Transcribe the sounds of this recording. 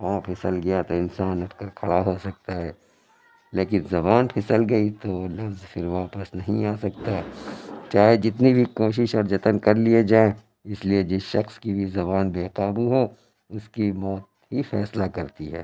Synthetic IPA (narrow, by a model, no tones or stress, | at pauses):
pãːpʰɪsəlɡɐjat̪oɪnsaːnɐt̪kakʰɐɽaɦosɐk̚t̪aɦɛː | leːk̬ɪnzɐbaːnpʰɪsəlɡɐit̪olɐfzfʰɪɾʋaːpəsnɐɦĩaːsɐk̚t̪at͡ʃaːɦed͡ʒɪt̪nibʱikoːʃ̬ɪʃɔːɾd͡ʒɐt̪ənkɐɾlied͡ʒaːẽ | ɪslied͡ʒɪʃɐxskibʱizɐβaːnbeːkaːbuɦo | ʊskimɔːt̪̚ | ɦifɛːslakɐɾt̪iɦɛ̰ː